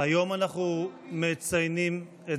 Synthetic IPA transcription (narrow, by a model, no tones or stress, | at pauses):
ajo̞manaχnumet͡sajnim | e